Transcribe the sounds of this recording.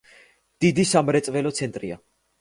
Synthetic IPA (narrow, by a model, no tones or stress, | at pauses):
d̪̥id̪isamɾɛt̪sʼvɛlɔt̪sʰɛnt̪ʼɾia̰